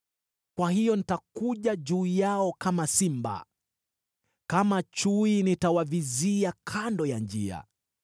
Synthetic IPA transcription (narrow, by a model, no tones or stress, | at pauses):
kwahijɔnitakuʄaʄuːjaɔkamasimba̰ | kamat͡ʃuinitawaviziakʰandɔjand͡ʒia̰